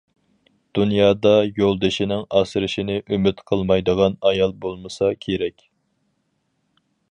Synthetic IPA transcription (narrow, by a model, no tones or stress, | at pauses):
d̪̥unjɑːd̪ɑjolˠd̪ɨʃinɪŋɑːsɨɾɪʃinɪʔymɪt̪qʰəlˠmɑjd̪əʁɑnɑjɑlˠbolˠmɨsɑkʲʰeɾɛkʲ